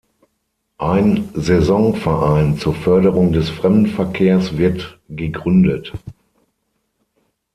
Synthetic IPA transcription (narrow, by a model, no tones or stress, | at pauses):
ʔaɪnzɛzɔŋfɛɐʔaɪnt͡suːɐfœɐdəʁʊŋdɛsfʁ̥ɛmdn̩fɛɐkʰeːɐsv̥ɪɐtɡ̥əɡʁʏndət